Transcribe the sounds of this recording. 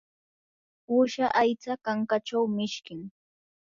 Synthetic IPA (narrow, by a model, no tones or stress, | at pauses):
ʊʃaʔajt͡sakaŋkat͡ʃawmɪʃkɪŋ